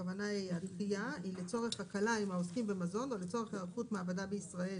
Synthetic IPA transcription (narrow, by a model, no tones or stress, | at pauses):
avanaiadχiailet͡so̞ʁeχakalaimaoskimbemazo̞no̞let͡so̞ʁeχaʁχutmeabadabeisʁae